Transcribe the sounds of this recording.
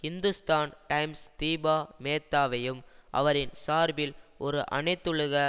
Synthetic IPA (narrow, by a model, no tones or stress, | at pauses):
hɪnd̪ɯst̪aːnʈɐɪmst̪iːbaːmeːt̪ːaːʋɐjɯmʔɐ̰ʋɐɾɪnsaːɾbɪlʔɔɾɯʔɐ̰ɳɐɪt̪ːɯɻɯɣɐ